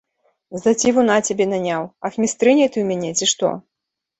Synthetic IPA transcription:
zɐt͡sʲivunat͡sʲabʲɛnanʲawɐxmʲist̪ɾɨnʲɐjt̪ɨwmʲanʲɛt͡sʲiʂt̪ɔ̰

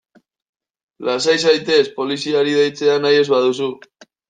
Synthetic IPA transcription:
las̬ajsajt̪e̞spo̞lisiaɾið̞ejt͡se̞anaje̞zβaðusu

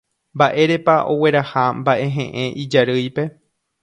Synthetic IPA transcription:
mbaʔe̞ɾe̞paʔo̞we̞ɾahambaʔe̞ɦẽ̞̰ʔẽʔid͡ʒaɾɨjpe̞

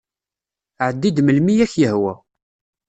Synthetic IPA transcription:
ʕəd̪ːid̪məlmijæçjəhwæ

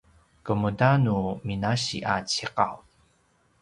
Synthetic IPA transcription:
kəmədanuminaɕḭʔat͡ɕiqaw

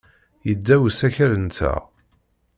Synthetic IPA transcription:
jəd̪ːæwəsæçəɾənt͡s̪ːæ̰

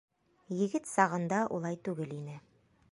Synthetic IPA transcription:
jɘ̆ɡɘt̪sɑʁɤ̆nd̪ɑʔṵlˠɑjt̪ʉɡɘlinɘ

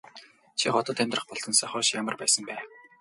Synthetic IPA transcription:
t͡ɕʰiχɔt̪ɞ̆t̪ʰæmʲt̪rə̆χpɔɮt̪ɞ̆nsaχʊːʃjamə̆rpæːsə̆mpæː

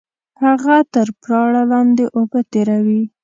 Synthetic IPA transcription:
haɣat̪əɾpɾɑɽalɑnd̪eʔobət̪eɾawi

